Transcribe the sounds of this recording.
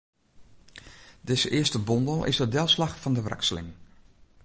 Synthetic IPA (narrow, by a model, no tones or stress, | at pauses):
dɪsəʔɪəstəbɔndəlˠɪ̰sədɛlˠslaxfɔndəʋrɛ̰kslɪ̰ŋ